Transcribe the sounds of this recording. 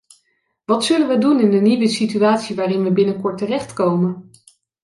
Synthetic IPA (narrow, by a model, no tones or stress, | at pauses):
ʋɑtsɵlənʋədunɪndəniʋəsityaːtsiʋaːrɪnʋəbɪnəkɔɹtərɛχtkowmən